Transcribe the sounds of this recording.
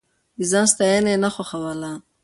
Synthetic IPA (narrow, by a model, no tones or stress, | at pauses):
izɑnst̪ajenenaxoxawala